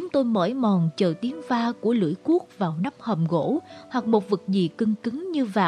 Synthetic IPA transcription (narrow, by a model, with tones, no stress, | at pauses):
t͡ɕʊ˨˦ŋ͡mt̪o˧jmə̰ː˧˩jmɔ˨˩nt͡ɕə̰ː˧˨˩t̪i˨˦əŋvaː˧ku˧˩əlɨ̰˧˥əjku˦˥ək̚vaː˨˩wna˦˥mhə˨˩mɣo̰˧˥hwa˨˩k̚mo˨˩t̚vɨ˨˩k̚zḭ˨˩kɨ˧ŋkɨ˨˦ŋɲɨ˧vaː˨˩